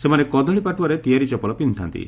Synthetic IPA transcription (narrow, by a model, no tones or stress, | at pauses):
semanekɔd̪ʱɔɭipaʈuwɔɾet̪ijaɾit͡ʃɔpɔlɔpint̪ʰa̰nt̪ḭ